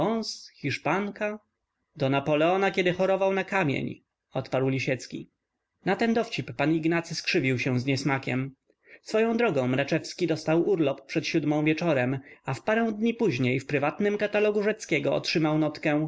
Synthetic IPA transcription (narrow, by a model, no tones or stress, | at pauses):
ɔnsxʲiʂpaŋka | d̪ɔnapɔlɛɔnakʲɛd̪ɘxɔɾɔvawnakamʲjḛɲ | ɔt̪paɾwlʲiɕɛt̪skʲḭ | nat̪ɛnd̪ɔft͡ɕipːaniɡnat̪sɘskʂɘvʲiwɕɛ̃w̃zɲɛsmakʲɛ̰m | sfɔjɔ̃w̃d̪ɾɔɡɔ̃w̃mɾat͡ʂɛfskʲid̪ɔst̪awuɾlɔppʂɛt̪ɕud̪mɔ̃w̃vʲjɛt͡ʂɔɾɛmafpaɾɛ̃w̃d̪ɲipuʑɲejfpɾɘvat̪nɘmkat̪alɔɡuʐɛt̪skʲɛɡɔɔ̰tʂɘmawnɔt̪kɛ̃